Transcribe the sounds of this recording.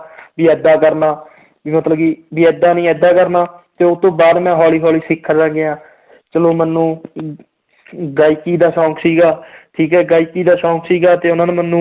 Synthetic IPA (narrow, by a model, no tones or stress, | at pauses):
biːɛːd̪aːkəɾnaː | bimət̪ləbkiːbiːɛːd̪ːaːnĩːɛːd̪aːkəɾnaːt̪eːʊt̪õːbaːd̪mɛ̃ːɦɔːliːɦɔːliːsɪkʰːɾd͡ʒãːɡeːãː | t͡ʃəloːmənːũː | ɡaːiːkiːd̪aːʃɔ̃ːksiːɡaːʈʰiːkɛːɡaːiːkːiːd̪aːʃɔ̃ːksiːɡaːt̪eːʊnãːnːmənːũː